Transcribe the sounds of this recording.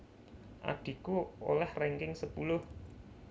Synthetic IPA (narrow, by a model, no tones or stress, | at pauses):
ʔa̰ɖ̥i̤kuo̰lɛhrɛŋkɪŋsəpulʊh